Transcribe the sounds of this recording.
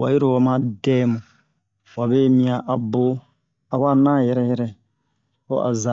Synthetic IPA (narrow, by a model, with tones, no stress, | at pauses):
wa˨ji˦ɾo˨wa˨mã˦dɛː˦mũ˨ | wa˨be˦mĩ˦ã˨ʔa˨bo˦ | a˨wa˦˨nãː˦˨jɛ˨ɾɛ˨jɛ˦ɾɛ˦ | o˦ʔa̰˨za˨